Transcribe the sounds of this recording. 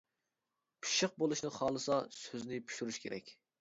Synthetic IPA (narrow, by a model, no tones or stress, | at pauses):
pʰi̥ʃəq̚bolˠuʃnɨχɑːlˠɨsɑsøznɪpʰy̥ʃyɾyʃkʲʰeɾɛkʲ